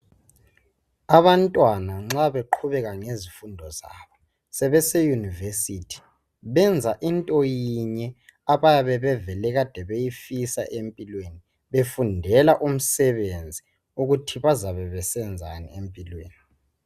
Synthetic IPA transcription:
aβantʼwanaŋ͡ǁaβeǃʰuβɛɣaŋezifundʱɔza̰βɔ | sɛβɛsɛjunivesitʰi̥ | βɛnd͡zʱaʔintʼɔjiɲɛaβajaβɛβɛvɛlɛɣad̥ʱɛβejifisa̰ʔempʼilweni | βefundʱɛlaʔum̩sɛβend͡zʱi | uɣutʰiβazaβɛβɛsɛnd͡zʱa̰nḭempʼilwḛːni

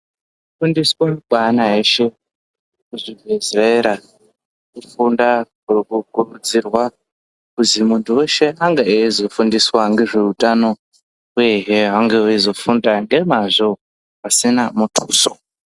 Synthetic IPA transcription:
ufundiswemiɓanae̞ʃe̞ | kuʐivesreɾa | kufundakrkukurud͡zirwa | kuzimuntʰuweʃe̞aŋɡeeizo̞fundiswaŋɡe̞ʐe̞utʼano̞ | weɦeɦaŋɡeeizo̞fundaŋɡe̞maʐo̞ | asinamutʰuːso

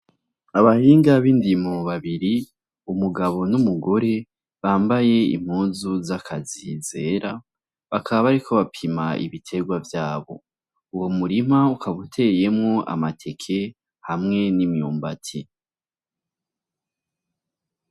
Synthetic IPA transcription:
aβahiːŋɡaβiːndimoβaβiɾi | umuɡaβo̞numuɡo̞ɾe̞ | βaːmbaje̞ḭm̥huːnzuzakʰazize̞ːɾa | βakʰaβaβaɾikʰo̞βapʰimaḭβitʰe̞ɡwavjaːβo̞̰ | uwomuɾimaukʰaβutʰe̞je̞mŋo̞ʔa̰matʰe̞kʰe̞ | hamŋe̞nimjuːmbatʰi

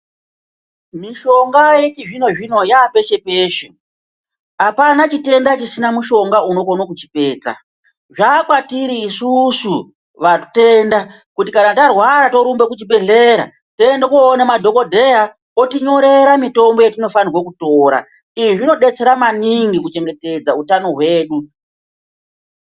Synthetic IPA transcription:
miʃo̞ŋɡajet͡ʃiʐino̞ʐino̞jape̞ʃe̞peːʃe | apanat͡ʃite̞ndat͡ʃisinamuʃo̞ŋɡauno̞konokut͡ʃipe̞ːt͡sa̰ | ʐakwatiɾiːsusu | ʋatu̥te̞ːnda | kutikanatarwaɾato̞ɾumbe̞kut͡ʃibe̞ɮe̞ɾa̰ | tendekoːnemadʱo̞ko̞dʱe̞ja | o̞tiɲo̞ɾe̞ɾamito̞mbo̞jetino̞fanirwokuto̞ːɾa̰ | iiʐino̞ɗe̞t͡se̞ɾamaniŋɡikut͡ʃe̞ŋɡe̞te̞d͡zautano̞ɦwe̞ːɗu

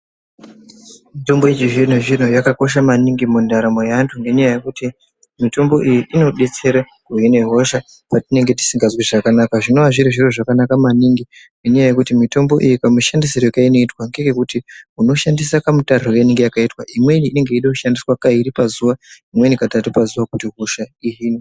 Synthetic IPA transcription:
mito̞mbojet͡ʃiʐin̤oʐin̤ojakako̞ʃ̬amaniŋɡimundaɾamojantʰuŋɡe̞ɲajaje̞kuti | mito̞mbo̞ʔijiʔino̞ɗe̞t͡se̞ɾa | kujine̞ɦo̞ʃa | patine̞ŋɡe̞t̬i̥siŋɡazweʐakanakaʐino̞ʋaʐiɾiʐiroʐakanakamaniŋɡiŋɡeɲajaje̞kutimito̞mbo̞̰ʔijikamuʃandisirekaino̞itwaŋɡeŋɡe̞kutiuno̞ʃandisakamutar̤ojeniŋɡejakaitwaimwe̞niːne̞ŋɡe̞iɗokuʃandiswakaiɾipazuʋaimwenikatatupazuʋakutiɦo̞ʃaiɦiːni

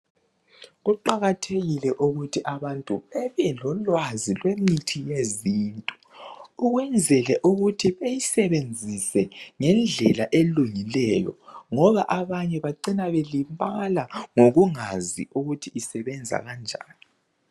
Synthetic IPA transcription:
ɣuǃaɣatʰeɣilɛʔuɣutʰiʔaβantʼuɛβɛlɔlwazilwemitʰijeziːntʼɔ | uɣwɛnd͡zʱɛlɛʔuɣutʰiβejisɛβend͡zʱisɛŋɛnd͡ɮʱɛlaʔeluŋilɛjɔ̰ŋɔβaʔaβaɲɛβaǃinaβelimpʼalaŋoɣuŋazḭuɣutʰiisɛβɛnd͡zʱa̰ɣand͡ʒʱa̰ːni

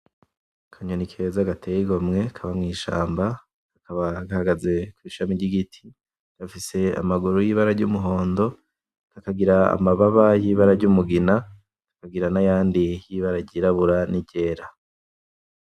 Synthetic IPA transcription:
kʰaɲonikʰezaɡatʰejiɡo̞mŋe̞kʰaβamŋiːʃa̰ːmba | ɡ̥akaβaɡahaɡaze̞kwiːʃamiɟiɡitʰi̥ | ɡ̥afise̞a̰maɡuɾujiβaɾaɾɟumuɦo̞ːndo̞ | ɡ̥akaɡiɾaa̰maβaβajiβaɾaɾɟuːmuɡina | ɡḁkaɡiɾanajaːndijiβaɾaɟiɾaβuɾaniɟe̞ːɾa

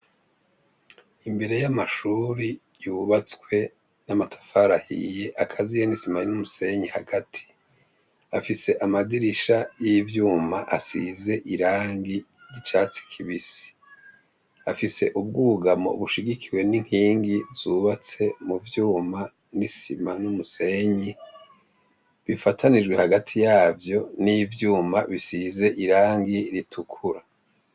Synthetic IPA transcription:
imbe̞ɾe̞jamaʃuːɾi | juːβat͡swe̞ | namatʰḁfaɾahḭje̞ʔakʰazijenisimajinumuse̞ɲihaɡatʰi̥ | afise̞ʔamadiɾiʃajivjuːmaʔasize̞ʔiɾaːŋɡi | jit͡ʃaːt͡si̥kʰiβisi̥ | afise̞ʔub̚ɡuːɡamo̰βuʃiɡikʰiwe̞niŋ̥hiːŋɡivzuβat͡se̞muvjuːma | nisimanumuse̞ɲi | βifatʰanid͡ʒɡwehaɡatʰijaːvjo̞nivjuːmaβisize̞ʔiɾaːŋɡiɾitʰukʰuɾa

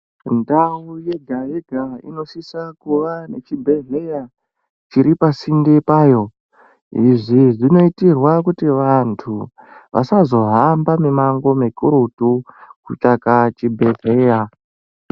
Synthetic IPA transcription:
ndauje̞ɡʱajeɡʱaḭno̞ʃisakuʋane̞t͡ʃibʱe̞ɮeja | t͡ʃiɾipasindepaːjo̞ | iʐiʐino̞itirwakutiʋantʰu | ʋʔa̰sazo̞ɦambamemaŋɡo̞mekuɾutukut͡ʃakat͡ʃibʱe̞ɮe̞ja

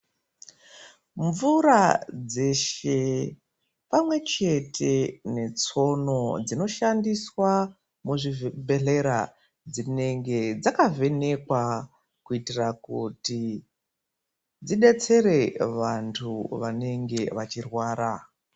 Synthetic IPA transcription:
ɱvuɾad͡ze̞ʃe̞ | pamwe̞t͡ʃe̞tʰe̞ne̞t͡so̞no̞d͡zino̞ʃandiswa | muʐivbʱeɮe̞ɾa | d͡zine̞ŋɡe̞d͡zakave̞ne̞kwa | kuitirakuti | d͡ziɗe̞t͡se̞ɾe̞ʋantʰuʋane̞ŋɡe̞ʋat͡ʃirwaːɾa

